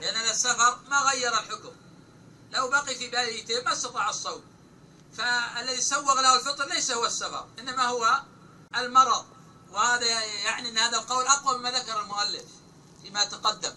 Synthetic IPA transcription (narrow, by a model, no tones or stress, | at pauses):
ɪʔanːʔanasːafɑɾˤmaɣajːɑɾˤalħʊkʊm | lawbaqifibaːlʔit̪eːmːast̪ɑt̪ˤɑːʕɑsˤːɑwm | faalːaðisawːɑɣlahʊlfɨt̪ˤɾlajsahʊwasːafɑ̰ɾˤʔɪnːamahʊwa | almɑɾˤɑðˤ | wɪhaːðajaʕniʔɪnːhaːðalqɑwlʔɑqwamɪmaðakɑɾˤɑlmʊʔalːɪf | fiːmajat̪aqɑd̪ːam